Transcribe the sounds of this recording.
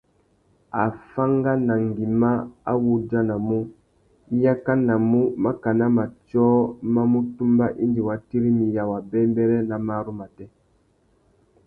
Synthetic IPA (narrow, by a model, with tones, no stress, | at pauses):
a˨fa˦ŋɡa˦na˨ŋɡi˨ma˦a̰˦wu˦d͡ʒa˦na˨mu˦ | i˦ja˦ka˦na˨mu˦ma˦ka˨na˦ma˨t͡ʃɔː˦ma˦mu˦tu˦mba˦ʔi˦ndi˨wa˨ti˦ɾi˦mi˨ja˨wa˨bɛ˦m˦bɛ˦ɾɛ˦na˨ma˦ɾu˦ma˨tɛ˦